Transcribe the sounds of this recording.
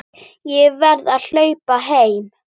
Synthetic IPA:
jɛvɛɾðaðl̥œːɥpaɦeːjm

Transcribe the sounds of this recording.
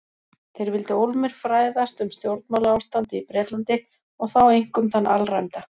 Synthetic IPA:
θejɾvɪlt̪ɪowlmɪɾ̥fɾaːjðast̪ʏmst̪jowɾt̪nmawlaawst̪ant̪ɪipɾɛːt̪lant̪ɪ | ɔɣθawejŋ̥kʏmθanːʔa̰lrajmt̪a

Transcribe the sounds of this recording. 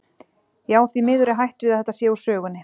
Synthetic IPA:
jaːwθvimɪːðʏɾɪɦajht̪vɪðaðɛt̪asjɛːusœːɣʏnːɪ

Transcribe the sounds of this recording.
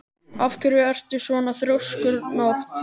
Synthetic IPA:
afkʰʏɾʏɛr̥t̪ʏ̥svɔːnaθɾowskʏɾnoht̪

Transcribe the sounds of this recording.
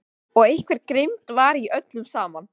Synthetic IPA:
ɔɣejhkʰvɛɾkɾɪmt̪vaɾiʔœt̪lʏmsaːman

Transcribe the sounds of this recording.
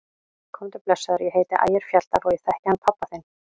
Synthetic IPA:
kʰɔmt̪ʏplɛsːaðʏɾjɛɦeːjt̪ɪʔa̰ːjɪɾ̥fjal̥t̪alɔɪθɛhcɪhanːpʰapːaθejn

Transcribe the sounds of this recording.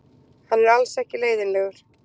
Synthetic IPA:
hanːɛɾalsɛhcɪleːjðɪnlɛːɣʏɾ̥

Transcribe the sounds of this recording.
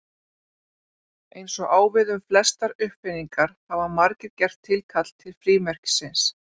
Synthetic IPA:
ejnsɔɣaːwvɪðʏmflɛst̪aɾʏhpfɪnːiŋkaɾ̥havamaɾcɪðcɛr̥t̪ʰːɪlkʰat̪l̥t̪ʰːɪlfɾiːmɛr̥cɪ̥sɪns

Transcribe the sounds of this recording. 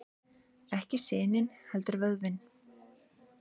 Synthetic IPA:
ɛhcɪsɪːnɪnhɛlt̪ʏɾvœðvɪn

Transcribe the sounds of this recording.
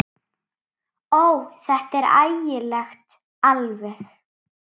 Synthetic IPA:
oːwθɛht̪ɛɾa̰jjɪlɛxt̪ | alvɛx

